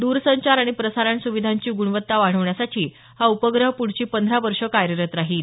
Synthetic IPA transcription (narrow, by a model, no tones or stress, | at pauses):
d̪uɾsəɲt͡ɕaɾaɽ̃ipɾəsaɾaɳsuʋid̪ʱaɲt͡ɕiːɡuɽʋət̪ːaʋaɽ̤əʋɳjasat͡ɕiː | haupəɡɾəɦpuɽ̤t͡ɕiːpənd̪ʱɾaʋəɾʂəkaɾjəɾət̪ɾaɦiːl